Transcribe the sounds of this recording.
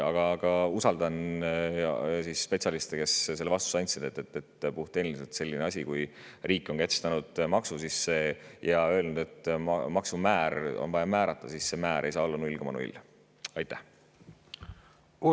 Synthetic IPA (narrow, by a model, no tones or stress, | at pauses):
ɑɡ̥ɑɡ̥ɑusɑld̪̥ɑn | sisːpe̞t̪sʲɑlist̪eke̞sse̞lːeɑst̪u̥sɑnʲsid̪̥et̪ːˑet̪ːet̪puht̪eniliselt̪se̞lʲːineɑsʲikuj | riːkˑːo̞nkæt̪st̪ɑnud̪̥mɑksusisːejɑø̞ːlnud̪e̞t̪ːˑmɑksumæːɾo̰nvɑjɑmæːɾɑt̪ˑːɑsisse̞mæːɾʔe̞jsɑːolːɑnuilɡ̥emɑnṵḭlː | ɑjt̪ːˑæh